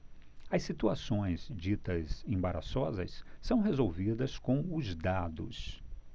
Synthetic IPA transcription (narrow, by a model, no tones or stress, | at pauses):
ɐsit̪uasõj̃zd͡ʒit̪ɐzẽbaɾa̰sɔzɐssɐ̃w̃ɦezowvid̪ɐskõw̃ʊzd̪ad̪ʊs